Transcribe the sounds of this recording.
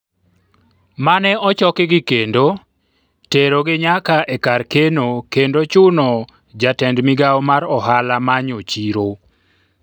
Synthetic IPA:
manɛɔt͡ʃɔkɪɡɪkendo | teɾoɡɪɲakaʔɛkarkenokendot͡ʃʊnɔ | d͡ʒatɛndmiɡaɔmaɾɔɦalamaɲot͡ʃiɾo

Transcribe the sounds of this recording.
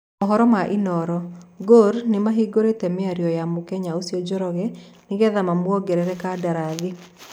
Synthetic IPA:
moɦɔɾɔmaʔinɔɾɔɡoɾnɪmaɦiɡoɾetɛmeaɾiɔjamokɛɲaosjɔd͡ʒɔɾɔɣɛnɪɣɛðamamwɔɡɛɾɛɾɛkadaɾaði

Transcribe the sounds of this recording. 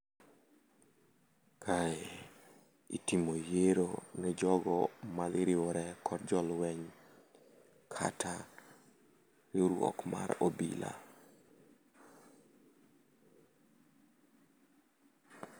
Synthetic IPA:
kʰaɛ | itimojeɾonɛd͡ʒɔɡɔmalɪɾɪwɔɾɛkʰɔɾd͡ʒɔlwɛɲ | kʰa̰ta | juɾuɔ̰kma̰ɾobḭla̰

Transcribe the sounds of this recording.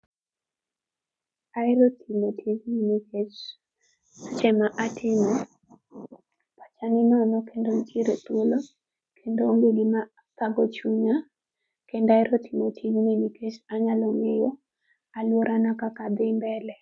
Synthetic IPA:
aɪɾot̪ʰimotʰid͡ʒniniket͡ʃ | at͡ʃɛmaʔatʰɪmo | pat͡ʃanɪnɔnɔkendod͡ʒeɾet̪wolo | kʰendoŋɡeɡɪma | t̪aɡɔt͡ʃuɲa | kendaɪɾot̪ʰimotʰid͡ʒniniket͡ʃaɲalɔŋɪjo | alwoɾanakakad̪ɪmbɛlɛ

